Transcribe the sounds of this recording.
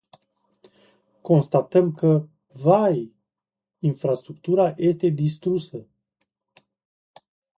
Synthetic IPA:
ko̞nst̪at̪əmkə | vaj | infɾast̪ɾukt̪uɾaje̞st̪e̞d̪ist̪ɾusə

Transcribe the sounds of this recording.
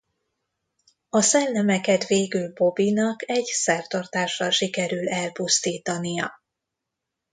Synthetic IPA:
ɒsɛlːɛmɛkɛt̪veːɡylbo̞binɒkɛɟsɛrt̪ɒrt̪aːʃːɒlʃikɛɾylɛlpust̪iːt̪ɒnijɒ

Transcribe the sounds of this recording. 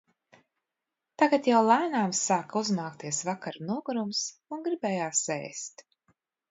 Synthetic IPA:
t̪aɡat̪jawlˠajnaːmsːaːkuznaːkt̪iɛsvakaɾnuɔɡuɾumsunɡɾibɛːjaːsɛ̰ːst̪

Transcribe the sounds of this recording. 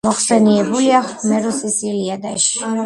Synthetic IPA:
mɔχsɛniɛbuliaχmɛɾusisiliad̪aʃi̥

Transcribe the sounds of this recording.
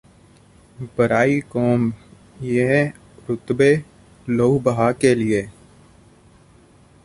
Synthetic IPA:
bəɾaːikoːm | je | ɾʊt̪beː | loubəɦaːkelɪeː

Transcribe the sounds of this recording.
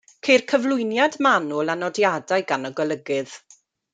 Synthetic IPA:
kʰejrkʰəvlˠʊjnjadmanʊlˠanɔdjadaɨɡanɔɡwəlˠəɡɨð̥

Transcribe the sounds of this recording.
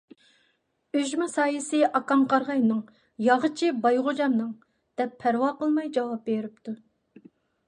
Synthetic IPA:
øʒmɛsɑːjɪsɨʔɑkɑmqɑɾʁɑjnɨŋ | jɑʁət͡ʃʰibɑjʁʊd͡ʒɑmnɨŋ | d̪̥ɛpʰːæɾwɑːqəlˠmɑjd͡ʒɑwɑp̚beɾyp̚t̪ʰu

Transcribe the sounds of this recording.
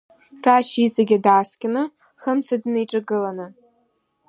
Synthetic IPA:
raʃit͡sʼaɡʲadaːskʲʼɪnɨ | χəmsadnejʈ͡ʂʼaɡɨlanɨ

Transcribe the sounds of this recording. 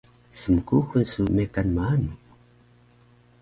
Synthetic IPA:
səməkuxunsumekanmaanu

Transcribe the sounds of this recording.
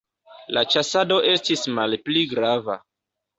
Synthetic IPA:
lat͡ʃasado̞ʔe̞stismalpliɡɾava̰

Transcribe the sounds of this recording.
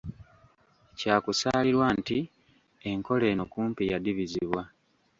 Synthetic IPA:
caːkusaːliɾwanti | e̞ŋko̞le̞ːnokuːmpijadiβiziβwa

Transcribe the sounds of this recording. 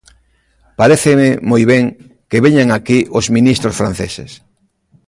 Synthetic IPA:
paɾeθememojβeŋ | keβeɲaŋakiʔozmĩnist̪ɾosfɾãn̟θesḛs

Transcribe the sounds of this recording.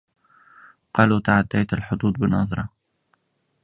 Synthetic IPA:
qɑːluːt̪aʕad̪ːajt̪alħʊd̪ˤuːd̪̚ˤbɪnɑːðˤɾˤɑ

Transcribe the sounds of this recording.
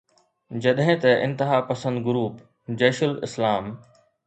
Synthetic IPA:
d͡ʑɐɗɦɪ̃t̪ɐʔɪ̰̃nt̪ɪɦaːpɐsə̃nd̪ɡʊɾuːp | d͡ʑɛːʃəlɪ̰slaːm

